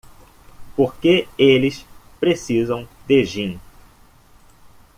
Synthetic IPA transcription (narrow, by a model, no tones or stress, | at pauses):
poɾkeelɪs | pɾesizɐ̃w̃d̪eʒĩn